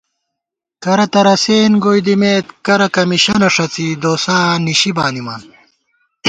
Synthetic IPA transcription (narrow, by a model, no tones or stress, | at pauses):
kɐɾɐt̪ɐɾɐseːnɡojd̪imeːt̪kɐɾɐkɐmiɕɐnɐʂɐt͡sid̪oːsaːniɕibaːnimaːn